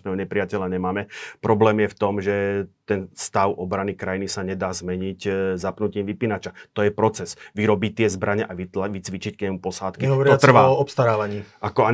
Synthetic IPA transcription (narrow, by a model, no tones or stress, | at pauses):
nɛɦɔɲɛpɾɪjacɛʎaɲɛmaːmɛpɾɔblɛːmjɛft̪ɔmʒɛt̪ɛnst̪aʊʔɔbɾanikɾajinisaɲɛd̪aːzmɛɲiczapnuciːmʋipinat͡ʃat̪ɔjɛpɾɔt͡sɛzʋiɾɔbit̪ɪɛzbɾʔaɲɛʔaʋit͡sʋit͡ʃickɲɛmupɔsaːt̪kiɦɔʋɔɾɪɔat̪rʋaɔɔpst̪aɾaːʋaɲiːakɔa